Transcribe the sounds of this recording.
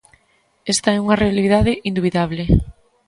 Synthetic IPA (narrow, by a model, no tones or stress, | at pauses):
est̪ɐɛuŋɐrealið̞aðɪʔind̪uβiðaβle